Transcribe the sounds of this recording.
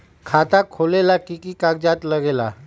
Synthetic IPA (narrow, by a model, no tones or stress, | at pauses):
kʰat̪akʰolelakikikaɡd͡ʑat̪ləɡela̰